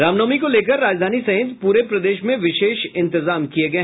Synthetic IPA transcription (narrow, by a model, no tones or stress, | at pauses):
ɾaːmnəːmikoleːk̬əɾːaːd͡ʒd̪ʱaːnisɐɦɪ̃t̪puːɾepɾɐd̪eːʃmẽʋɪʃeːʃɪ̃nt̪ɪzaːmkieɡɐe